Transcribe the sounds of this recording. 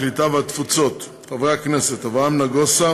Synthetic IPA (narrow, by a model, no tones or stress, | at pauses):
lit̪aveat̪fut͡so̞t̪ | χavʁeakneset̪havʁamnaɡosa